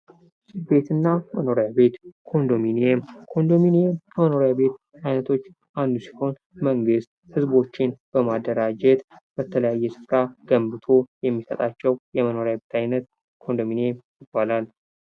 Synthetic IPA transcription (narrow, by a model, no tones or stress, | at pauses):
sbe̞t̪ɨnːaməno̞ɾejabe̞t̪kʰo̞nd̪o̞minemkʰo̞nd̪o̞minemməno̞ɾejaβe̞t̪ | ajnət̪ʰo̞t͡ʃː | ʔand̪usi̥ho̞n | məŋɡɨst̪̚hɨzbo̞t͡ʃːɪnb̥əmad̪ːəɾad͡ʒɛt̪b̥ət̪ʰələjajːɛsɨ̥fɾaɡ̥əmbɨt̪ʰo̞jɛmːisət̪ʼat͡ʃːɛwjɛməno̞ɾejaβet̪ʰajnət̪ | kʰo̞nd̪o̞minemjɪbːalal